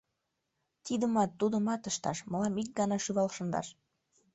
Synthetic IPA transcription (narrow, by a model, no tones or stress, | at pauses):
t̪id̪əmɑt̪ːud̪əmɑt̪əʃt̪ɑ̰ʃməlɑmik̚ɡɑnɑʃyβɑlʃənd̪ɑ̰ʃ